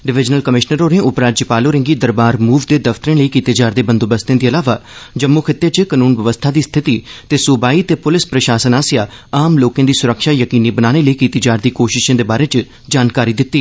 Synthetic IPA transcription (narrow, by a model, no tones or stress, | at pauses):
ɖɪʋɪd͡ʒnəlkəmɪʃnəɾoːnẽːʊpɾaːd͡ʒəpaːloːɾɪ̃ŋɡiːd̪əɾbaːɾmuːʋd̪eːd̪əft̪əɾẽːləiːkiːt̪eːd͡ʒaːɾd̪eːbənd̪oːbəst̪ẽːd̪iːəlaːʋaːd͡ʒəmːokʰɪt̪ːeːt͡ʃkənuːnʋəʋəst̪ʰaːd̪iːst̪ʰɪt̪iːt̪eːsʊbaːiːt̪eːpʊlɪspɾəʃaːsənaːsɪjaːaːmloːkẽːd̪iːsʊɾəkʃaːjəkiːniːbənaːneːləiːkiːt̪eːd͡ʒaːɾd̪iːkoːʃɪʃãːd̪eːbaːɾeːt͡ʃ | d͡ʒaːnkaːɾiːd̪ɪt̪ːiː